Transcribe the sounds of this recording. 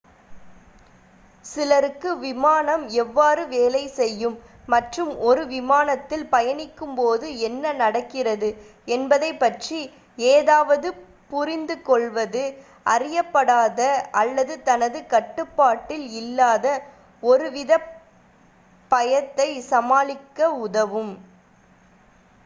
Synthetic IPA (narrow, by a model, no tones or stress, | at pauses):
sɪlɐɾɯkːɯʋɪmaːnɐmɛʋːaːrɯʋeːlɐɪsɛjːɯmː | ɐʈrɯmɔɾɯʋɪmaːnɐt̪ːɪlpɐjɐnɪkːɯmpoːðɯɛnːɐnɐɽɐkːɪrɐðɯ | ɛnbɐðɐɪpːɐʈri | eːðaːʋɐðɯ | pʊrɪnd̪ɯkɔɭʋɐðɯ | ɐrɪjɐpːɐɽaːðɐɐlːɐðɯt̪ɐnɐðɯkɐʈːɯpːaːʈːɪlɪlːaːðɐ | ɔɾɯʋɪðɐ | pːɐjɐt̪ːɐɪsɐmaːlɪkːɐʊðɐʋɯm